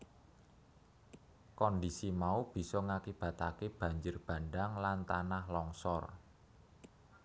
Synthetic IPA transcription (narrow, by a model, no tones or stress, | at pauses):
kɔndisimaub̥i̤sɔŋakib̥ä̤t̪akeb̥ä̤ɲd͡ʒɪrb̥ä̤nɖaŋlant̪anahlɔŋsɔr